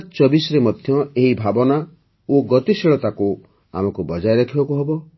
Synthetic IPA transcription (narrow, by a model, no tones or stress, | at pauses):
t͡ʃɔbisɔɾemɔd̪ʱjɔeɦibʱabɔna | oɡɔt̪isiɭɔt̪aku | a̰mɔkubɔd͡ʒajɾakʰibakuɦebɔ